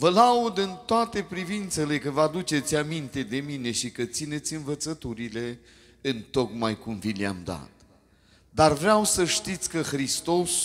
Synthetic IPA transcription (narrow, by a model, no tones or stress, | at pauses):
vəlaud̪ɨnt̪oat̪e̞pɾivint̪se̞le̞kəvəad̪ut͡ʃe̞t̪sʲamint̪e̞d̪e̞mine̞ʃikət̪sine̞t̪sʲɨnvət̪sət̪uɾile̞ | ɨnt̪o̞kmajkumvila̰md̪a̰t̪ | d̪arvɾeawsəʃt̪it̪sʲkəxɾist̪o̞s